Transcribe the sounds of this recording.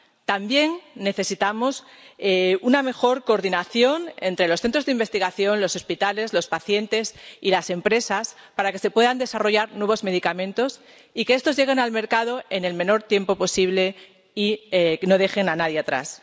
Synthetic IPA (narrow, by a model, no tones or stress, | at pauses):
t̪ambje̞ŋːe̞θe̞sit̪amo̞seuname̞xo̞ɾko̞ːɾðinaθjo̞ne̞nt̪ɾe̞loθe̞nt̪ɾo̞zðimbe̞st̪iɣ̞aθjo̞nlo̞so̞spit̪ale̞zlo̞spaθje̞nt̪e̞silase̞mpɾe̞sas | paɾake̞se̞pwe̞ðand̪e̞saro̞ʝaɾnwe̞β̞ozme̞ð̞ikamẽ̞nt̪o̞s | ike̞est̪o̞zʝe̞ɣ̞e̞nalme̞ɾkað̞o̞e̞ne̞lmẽ̞no̞ɾt̪je̞mpo̞po̞siβle̞ | ieno̞ðe̞xe̞nanaðjeat̪ɾa̰s